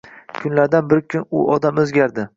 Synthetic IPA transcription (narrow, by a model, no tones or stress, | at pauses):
kʰʊnlaɾd̪anbɪɾkʰʲʊnʊʔɒd̪amɵzɡʲaɾd̪ɪ